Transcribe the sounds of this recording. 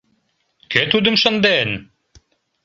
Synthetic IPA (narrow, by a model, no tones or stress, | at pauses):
ket̪ud̪ə̆mʃɤ̆nd̪en